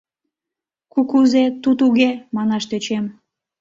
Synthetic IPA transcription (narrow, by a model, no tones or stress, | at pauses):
kukuzet̪ut̪uɣemɑnɑʃt̪øt͡ɕem